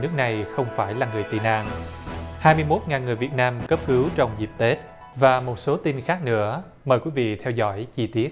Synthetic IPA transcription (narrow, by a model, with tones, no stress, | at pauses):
nɨ˦˥ək̚na˨˩jxə˧wŋ͡mfaː˧˩jlaː˨˩ŋɨ˨˩əjt̪ḭ˧˨˩na̰ː˧˨ŋhaː˧jmɨ˧əjmo˦˥t̚ŋaː˨˩nŋɨ˨˩əjvi˨˩ət̚naː˧mkə˦˥p̚kɨ˨˦wt͡ɕɔ˧wŋ͡mzi˨˩p̚t̪e˦˥t̚ | vaː˨˩mo˨˩t̚so˨˦t̪i˧nxaː˦˥k̚nɨ̰˧˥ə | məː˨˩jkwi˨˦vḭ˧˨t̪ʰɛ˧wzɔ̰˧˩jt͡ɕi˧t̪i˦˥ət̚